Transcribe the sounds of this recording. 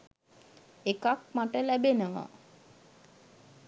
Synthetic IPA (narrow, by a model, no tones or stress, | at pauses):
ekakmaʈəlæbenəʋa̰